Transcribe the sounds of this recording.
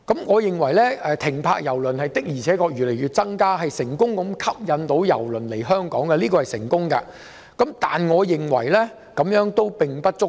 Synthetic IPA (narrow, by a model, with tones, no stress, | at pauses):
kɐ˨˥mŋɔː˨˧jɪ˨ŋwɐ˨˩jlɛː˥ɛː˨˧t̪ʰɪ˨˩ŋpʰa̰ː˧k̚jɐ˨˩wlɵ˨˩nhɐ˨jt̪ɪ˥k̚jiː˨˩t͡sʰɛː˨˥kɔː˧jɥyː˨le˨jɥyː˨˧t̚t͡sɐ˥ŋkaː˥ɦɐ˨jsɪ˨˩ŋkʊ˥ŋkʊ˨˧mkʰɐ˥p̚jɐ˨˧nt̪o˨˧˥wjɐ̰˨˩wlɵ˨˩nle˨˩jɦœː˥ŋkɔː˨˥ŋkɛ˧liː˥kɔ˧hɐ˨jsɪ̰˨˩ŋkʊ˥ŋkɐ˧ | kɐ˨˦mt̪aː˨nŋɔː˨˧jɪ˨˩ŋwɐ˨˩jlɛː˥ | kɐ˨˥mjœː˨˧˥ŋt̪o˥wpɪ˨ŋpɐ˥t̚t͡sʊ˥